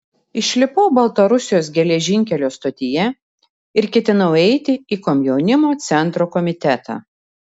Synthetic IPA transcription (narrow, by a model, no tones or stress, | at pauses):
ɪʃʲlʲɪpɔʊbɐlˠt̪ɐɾʊsʲɪjoːsɡʲɛlʲɛʒʲɪŋʲkʲɛlʲoːst̪ɐt̪ʲɪjɛ | ɪɾkʲɛt̪ʲɪnɐʊɛɪt̪ʲɪiːkɔmʲjɛʊnʲɪmoːt̪sʲɛnt̪ɾoːkɔmʲɪt̪ʲæt̪ɑ̰ː